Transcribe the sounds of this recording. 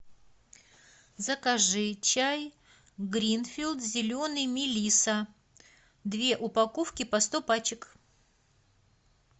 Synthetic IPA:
zəkɐʐɨt͡ɕaj | ɡɾʲinfʲilˠt̪zʲɪlʲo̞nɨjmʲɪlʲisə | d̪vʲe̞ʔʊpɐkofkʲɪpɐst̪opat͡ɕɪk

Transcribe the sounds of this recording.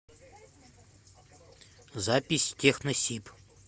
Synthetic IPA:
zapʲisʲtʲʰexnəsʲip

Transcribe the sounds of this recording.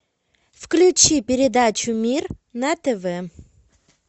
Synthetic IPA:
fklʲʉt͡ɕipʲɪɾʲɪd̪at͡ɕʊmʲir | nɐt̪ɛvɛ

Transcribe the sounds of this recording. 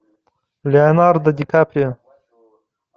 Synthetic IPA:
leanɑɾd̪əd̪ikʰapɾe

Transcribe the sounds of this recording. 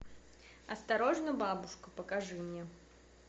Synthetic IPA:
ɐst̪aɾoʐnʊjbabʊʂkʊpəkaʐɨmnʲɛ

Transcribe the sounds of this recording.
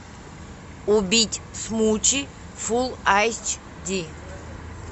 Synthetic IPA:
ubʲitʲʰsmut͡ʃʰi | fulˠajst͡ʃʰ | d̪ʲi

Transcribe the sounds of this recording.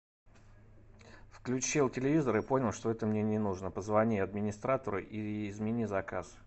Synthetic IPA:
fklʲʉt͡ɕilˠtʲɪlʲɪvʲizəɾɨpo̞nʲɪlˠʂt̪o̞ɛt̪əmnʲenʲɪnuʐnəpəzvɐnʲiɐd̪mʲɪnʲɪst̪ɾat̪əɾʊʔiɪzmʲɪnʲizɐkas

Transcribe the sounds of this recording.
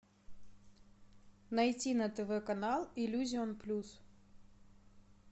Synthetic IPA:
nɐjtʲinɐt̪ɛvɛkɐnalˠɪlʲuzʲɪonplʲus

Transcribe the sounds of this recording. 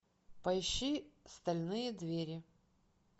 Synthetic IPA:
pɐjɪɕːist̪ɐlʲnɨjəd̪vʲeɾʲɪ

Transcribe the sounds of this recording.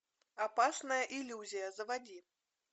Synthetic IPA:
apasnɐjɐʔilʲːuzʲijɐzɐvad͡zʲi

